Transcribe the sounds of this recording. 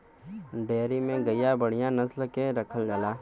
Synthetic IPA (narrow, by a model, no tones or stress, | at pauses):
ɖeːɾimẽɡəjabəɽ̤ijãnɐslkeɾɐkʰəld͡ʒalaː